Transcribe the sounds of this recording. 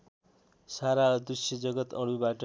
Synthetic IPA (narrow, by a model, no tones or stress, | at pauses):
saɾad̪usjʌd͡zʌɡʌt̪ʌɽubaʈʌ